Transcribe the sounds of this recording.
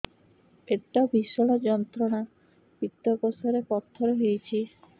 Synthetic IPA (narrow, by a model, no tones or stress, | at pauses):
eʈːabʱiʃɔɽod͡ʑɔnt̪ɾoɽa | pit̪ːokosoɾepɔt̪ʰːoɾeɦejt͡ɕʰi